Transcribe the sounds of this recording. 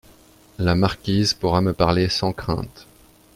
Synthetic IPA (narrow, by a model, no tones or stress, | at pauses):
lamaʁkʲizpuʁaməpaʁlesɑ̃kχɛ̰̃t̪